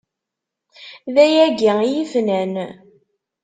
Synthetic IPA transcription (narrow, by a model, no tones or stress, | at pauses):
ðæjæɡijifnæn